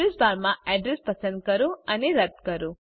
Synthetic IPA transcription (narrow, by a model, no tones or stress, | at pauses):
esbaɾmãɛɖɾespəsə̃nd̪̚kəɾõəneɾət̪ːkəɾõ